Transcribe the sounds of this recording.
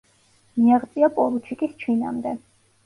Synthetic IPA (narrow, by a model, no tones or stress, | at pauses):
miaʁt̪sʼiapʼɔɾut͡ʃʰikʼist͡ʃʰwina̰md̪ɛ